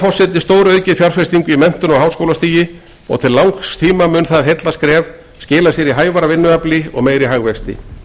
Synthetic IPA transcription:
fɔsɪt̪ɪst̪oːwɾœːɥcɪðfjar̥fɛst̪iŋkʏimɛn̥t̪ʏnɔɣɦaːwskowlast̪iːjɪ | ɔ̰ɣt̪ʰɪlːawŋkst̪ʰiːmamʏːnθaðɦejt̪laskɾɛːv | scɪːlasjɛɾiɦaːjvaɾavɪnːʏaplɪɔ̰ɣmeːjɾɪɦaɣvɛst̪ɪ̰

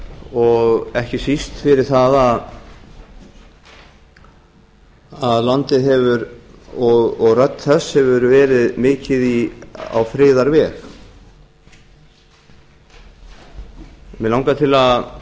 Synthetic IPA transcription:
ɔɣɛhcɪsist̪fɪɾɪɾ̥θaðað | aðlant̪ɪðɦɛvʏɾɔɣɔɣrœt̪nθɛshɛvʏɾvɛːɾɪðmɪːcɪðia̰wfɾɪːðaɾvɛːx | mɛlawŋkat̪ʰɪlað

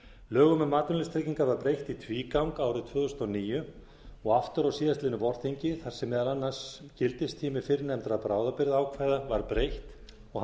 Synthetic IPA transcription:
lœːɣʏmɛmaːt̪ʏnlɪst̪ʰɾeciŋkavaɾpɾejht̪it̪ʰviːkawŋkaːwɾɪðt̪ʰvœːðʏst̪ɔniːjʏ | ɔɣaft̪ʏɾawsiːðast̪lɪnʏvɔr̥t̪iɲcɪθar̥sɛmːɛːðalanːḁscɪlt̪ɪst̪ʰiːmɪ̥fɪɾɪnɛmt̪ɾapɾaːwðapɪɾðaːwkʰvajðavaɾ̥pɾejht̪ | ɔɣ

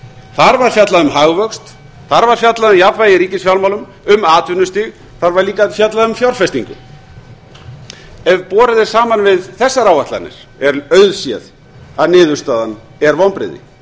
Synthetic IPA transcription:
θaɾvaɾ̥fjat̪laðʏmɦaɣvœkst̪ | θaɾvaɾ̥fjat̪laðʏmjapvajɪɾiːcɪsfjawlmawlʏm | ʏmaːt̪vʏnːʏst̪ɪɣ | θaɾvaɾliːkaðfjat̪laðʏmfjawɾ̥fɛst̪iŋkʏ̰ | ɛvpɔːɾɪðɪ̥saːmanvɪðθɛsːaɾawvaht̪a̰nɪ̰ɾ̥ | ɛɾœɥðsjɛ̰ð | aðnɪːðʏ̥st̪aːðan | ɛɾvawnpɾɪ̰ðɪ̰

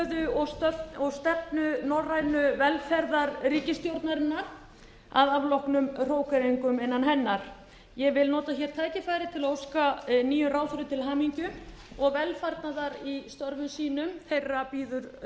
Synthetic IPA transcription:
ðʏɔœɔɣst̪ɛp̚nʏnɔrːajnʏvɛlfɛɾðaɾriːcɪst̪jowɾt̪naɾɪnːaɾ | a̰ðavlɔhknʏmr̥oːwkaɾeŋkʏmɪnːanɦɛnːaɾ̥ | jɛvɪlnɔːt̪açɛːɾ̥t̪ʰaːjcɪfaːjɾɪt̪ʰɪlaowskaniːjʏraːwθʏɾʏt̪ʰɪlɦaːmiɲcʏ | ɔɣvɛlfaɾt̪naðaɾist̪œɾvʏmsiːnʏmθejrːapiːðʏɾ̥

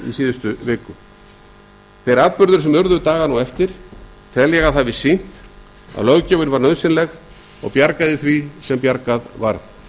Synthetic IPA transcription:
ḭsiːðʏst̪ʏvɪːkʏ | θɛjɾaːðpʏɾðʏɾsɛmœɾðʏt̪aːɣanuwɛft̪ɪɾ̥ | t̪ʰɛðljɛɣaðɦavɪsin̥t̪ | a̰ðlœɣcœːvʏnvaɾnœðsɪnlɛɣ | ɔ̰ɣpjaɾkaðɪθvisɛmpjaɾkaðva̰ɾθ

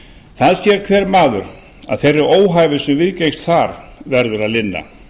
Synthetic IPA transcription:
θaðsjɛɾ̥kʰvɛːɾmaːðʏɾ | a̰ðθejrːɪɾoːwɦaːjvɪsɛmvɪðcejst̪θaɾ̥vɛɾðʏɾaðlɪnːa̰

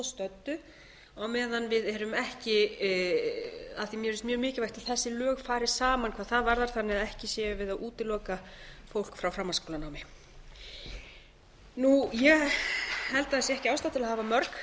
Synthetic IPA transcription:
st̪œt̪ːʏ | awmɛːðanvɪðɛɾʏmɛhcɪ | aðθimjɛɾɪst̪mjœːɣmɪːcɪvajht̪aθɛsːɪlœːɣfaːɾɪ̥saːmankʰvaːðθaðvaɾðaɾ̥θanːɪaðɛhcɪsjɛːjʏvɪðaðʔuːt̪ɪlɔːkafowl̥kfɾawfɾamːanskʰoːlanaːwmɪ | nujɛɣhɛlt̪aðθɛsɛhcɪaːwst̪awt̪ɪlahaːvamœɾk

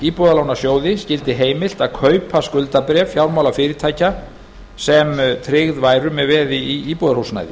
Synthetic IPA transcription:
iːpɔðalaːwnḁsjoːwðɪscɪlt̪ɪɦeːjmɪl̥t̪aðkʰœɥpʰaskʏlt̪apɾɛːvfjawɾmawlafɪɾɪɾt̪ʰaːjca | sɛmt̪ʰɾɪɣðvaːjɾʏmɛðvɛːðɪiiːpɔðaɾhuwsna̰jðɪ

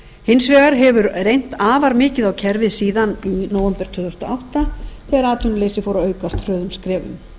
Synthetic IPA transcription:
hɪnsvɛːɣaɾɦɛvʏɾrejn̥t̪aːvaɾmɪːcɪðawcʰɛɾvɪðsiːðaninoːwvɛmpɛɾ̥t̪ʰʏːθɔst̪ɔawht̪aθɛːɣaɾaːt̪ʏnleːjsɪfowɾaøːɥkast̪ʰrœːðʏmskɾɛːvʏ̰m

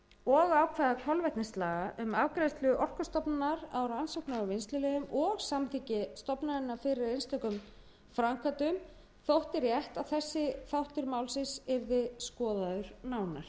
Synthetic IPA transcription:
ɔɣaːwkʰvɛðakʰɔlvɛht̪nɪst̪laːɣaʔʏmavkɾast̪lʏʏʔɔr̥kast̪ɔpnanaɾawɾansowknaʏvɪnst̪lʏlɛɣʏmɔɣsamt̪ʰiːcɪst̪ɔpnaðɪnːafɪɾɪɾejnst̪ɛkʏm | fɾaŋkʰat̪ʏm | θowht̪ɪɾjɛht̪aðθɛsːɪθawht̪ʏɾmaːwlsɪsɛɾðɪskɔːðaðʏɾ̥naːwnaɾ̥

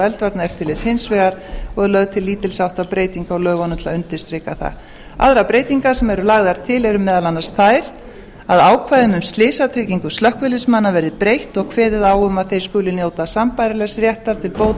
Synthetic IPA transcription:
ɛlt̪vaɾt̪naɛft̪ɪɾlɪshɪnsvɛɣaɾɔɛðlœðt̪ʰɪlːiːt̪ɪlsawht̪apɾeːjt̪iŋkaɔɣlœːɣɔnʏt̪laʏnt̪ɪɾ̥st̪ɾɪkaθa̰ | a̰ðɾapɾeːjt̪iŋkasɛmɛɾʏlaɣðaɾ̥t̪ʰɪlɛɾʏmɛːðalanːḁst̪θaːjɾ̥ | aðaːwkʰvajðɪmʏmst̪lɪːsat̪ʰɾɪːciŋkʏst̪lœhkvɪlɪsmanːavɛɾðɪpɾejht̪ɔɣkʰvɛːðɪðaːwʏmaðθejɾ̥skʏːlɪnjoːwt̪asampajɾɪlɛɣsɾjɛht̪aɾ̥t̪ʰɪlpoːwt̪

